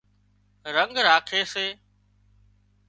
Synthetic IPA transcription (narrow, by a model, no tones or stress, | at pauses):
ɾəŋɡɾaːkʰeːseː